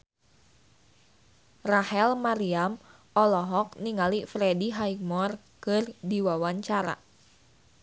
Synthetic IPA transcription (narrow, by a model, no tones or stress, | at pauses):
rahɛlmaɾiam | ɔlɔɦɔk̚niŋalifɾɛdiɦaik̚mɔrkɨrdiwawaɲt͡ʃaɾa̰